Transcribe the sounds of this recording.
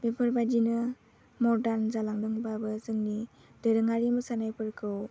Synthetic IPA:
bepʰəɾbad͡ʒinɯ | mɔɾdaɾnzalaŋdɯŋbabɯzɯŋni | dɯɾɯŋaɾimɯsanajpʰɯɾkʰɯw

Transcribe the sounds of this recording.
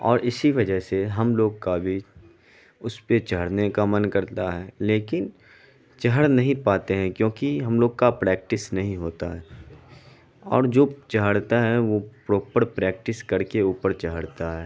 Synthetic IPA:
ɔ̰ːɾʔɪsiʋɐd͡ʒəɦseɦɐmloːɡkabʱi | ʊspet͡ʃɐɦəɽnekamɐnkɐɾt̪aɦɛːleːkɪn | t͡ʃɐɦəɽnɐɦĩpaːt̪eɦɛ̃kjõːkiɦɐmloːɡ̚kapɾɛːk̚ʈɪsnɐɦĩɦoːt̪aɦɛː | ɔ̰ːɾd͡ʒoːt͡ʃɐɦəɽt̪aɦɛʋopɾoːpəɾpɾɛːk̚ʈɪskɐɾkeuːpəɾt͡ʃɐɦəɽt̪aɦɛː

